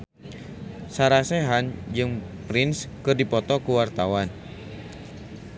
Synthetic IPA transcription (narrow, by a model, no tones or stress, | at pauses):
saɾaseɦand͡ʒɨŋ | pɾɪnskɨrdipɔt̪ɔkuwart̪awan